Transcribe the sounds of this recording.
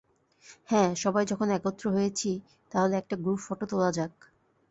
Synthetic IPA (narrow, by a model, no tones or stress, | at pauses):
hɛ̃ʃɔbajd͡ʑɔkʰonɛkot̪ːɾoɦojet͡ɕʰi | t̪aɦoleɛk̚ʈaɡɾufoʈot̪olad͡ʑak̚